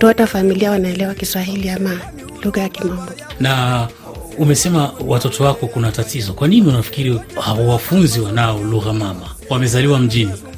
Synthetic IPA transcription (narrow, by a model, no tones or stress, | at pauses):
tɔtafamiliawanaɛlɛwakiswaɦiliama | luɣajakimambɔna | umɛsɛmawatɔtɔwakɔkunatatizɔkwaniniunafi̥kiɾihawawafunziwanaɔluɣamama | wamɛzaliwam̩ʄini